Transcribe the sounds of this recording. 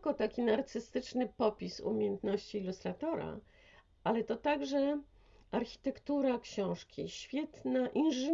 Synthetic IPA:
kɔt̪akʲinaɾt̪sɘst̪ɘt͡ʂnɘpɔpʲisṵmʲjjɛnt̪nɔɕt͡ɕiːlust̪ɾat̪ɔɾa̰ | ʔalɛt̪ɔt̪aɡʐɛ | aɾxʲi̥t̪ɛkt̪uɾakɕɔ̃w̃ʂkʲḭɕfʲjɛt̪naʔinʐɛ

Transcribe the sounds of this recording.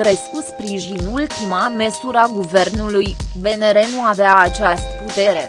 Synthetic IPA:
ɾeskuspɾiʒinult̪imaməsuɾaɡuve̞rnulujve̞neɾe̞nuaveaːt͡ʃast̪̚put̪e̞ɾe̞̰

